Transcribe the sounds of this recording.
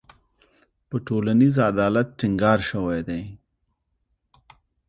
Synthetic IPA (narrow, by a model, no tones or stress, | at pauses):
pəʈoːlanizad̪aːlat̪̚ʈiŋɡɑːɾʃɐwajd̪ej